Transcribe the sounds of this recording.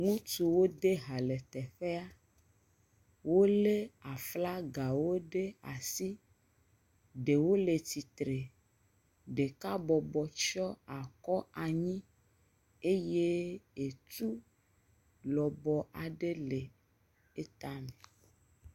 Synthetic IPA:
ŋũ˦t̪u˨wo˦d̪e˦ɦa˨le˨t̪ɛ˨ɸe˦a˦ | wo˦le˦a˨fla˦ɡa˨wo˦ɖe˦a̰˨si˦ | ɖe˨wo˦le˨t̪i˨t̪ɾe˨ | ɖe˨ka˦bɔ˨bɔ˨t͡ʃɔ˦a˨kɔ˦a˨ɲĩ˦ | e˦je˦e˨t̪u˦ | lɔ˨bɔ˨ʔa˨ɖe˦le˨ | e˦t̪a˦me˨

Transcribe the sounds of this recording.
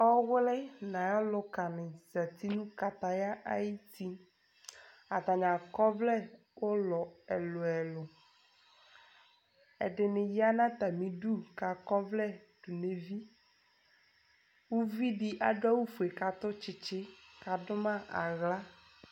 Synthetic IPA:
ɔ˦wlɛ˦nã˨jɔ˦lʊ˨ka˨nɪ̃˨za˨t̪i˦nũ˦ka˨t̪a˨ja˦ʔa˦ji˦t̪i˨ | a˨t̪a˨ɲã˨kɔ˦vlɛ˦ | wo˦lɔ˨ɛ˨lʊ˨ɛ˨lʊ˨ | ɛ̰˨ɖɪ˨nɪ̃˨ji˦a˦nã˦t̪a˨mĩ˨ɖu˦ka˨kɔ˦vlɛ˦ɖ̥u˨ne˨vi˦ | wu˦vi˦ɖi˦ʔa˨ɖʊ˦a˦wu˦fu˨e˨ka˨t̪ʊ˦t͡ʃɪ˨t͡ɕɪ˦ka˨dʊ˦mã˦a˨ɣla˦

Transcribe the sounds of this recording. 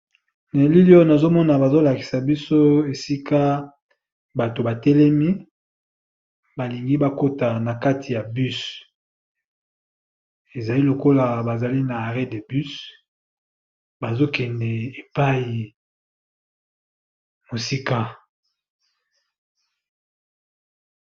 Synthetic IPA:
ne˨li˦li˦ɔ˦na˨zo˦mɔ˦na˨ba˨zo˦la˨ki˨sa˨bi˦so˦e˨si˦ka˦ | ba˨to˨ba˨tɛ˦lɛ˦mi˦ | ba˨li˨ŋɡi˦ba˦ko˦ta˨na˨ka˦tʰi˨ja˨by˦s | e˨za˨li˦lo˨ko˦la˨ba˨za˨li˦naː˨ʁɛ˦de˨by˦s | ba˨zo˦kɛ˨ndɛ˨e˨pa˦ji˨ | mo˨si˦ka˦

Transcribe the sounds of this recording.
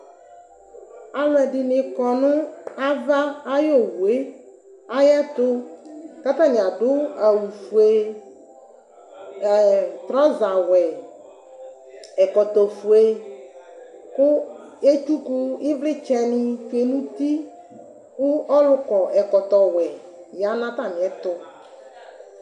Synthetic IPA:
a˨lʊ˨ɛ˨ɖɪ˨nɪ̃˨kɔ˨nʊ̃˦a˦va˦a˦jo˦wu˨e˦ | a˦jɛ˦t̪ʊ˦ka˦t̪ã˦ɲ˨ã˨dʊ˦a˨wu˨fu˨e˦˨ | t̪ɾɔ̃˦za˨wɛ˨ | ɛ˨kɔ˨t̪ɔ˨fu˨e˦ | kʊ˦ | e˦t͡ʃu˦ku˦ɪ˦vlɪ˦t͡ʃɛ˦nɪ˦fe˨nũ˦t̪i˦ | kʊ˦ɔ˦lʊ˦kɔ˨ʔɛ˨kɔ˨t̪ɔ˨wɛ˨ | ja˨˦nã˦t̪a˦˨mɪ̃˨ɛ˦t̪ʊ˦

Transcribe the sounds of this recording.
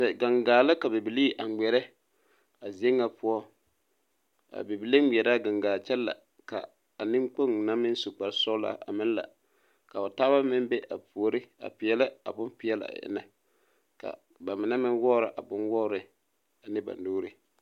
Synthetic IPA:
tɛ˨ɡa˨ŋɡaː˨la˦ka˨be˨bi˨liː˦ʔa˨ɛ˨ɾɛ˦ | a˨zi˨ɛ˦ŋːa˨pʰʊ˦ɔ˦ | a̰˨be˨bi˨le˦i˨ɛ˨ɾa˦ɡa˨ŋɡaː˨t͡ʃɛ˦lla̰˨ | ka̰˨ | a˨nɪ˦ŋk͡po˦ŋna˦mɪ˦n˦su˨k͡pa˨ɾsɔ˦la̰ː˦˨ʔa̰˨mɪ˦n˦la̰˨ | ka˨a˨taː˦ba˦mɪ˦mbɛ˦ʔa˨pu˨o˨ɾɪ˦a̰˨pɪ˨ɛ˨lɪ˦a̰˨bʊ˦npɪ˨ɛ˦la̰˨ɪ̰˦na˦ | ka̰˨ | ba˨mɪ˨na˦mɪ˦nwɔ˦ɾɪ˨ʔa˨bʊ˦nwɔ˦ɾɪ˦ | a˨nɪ˦ba̰˨ndoː˦ɾɪ˨

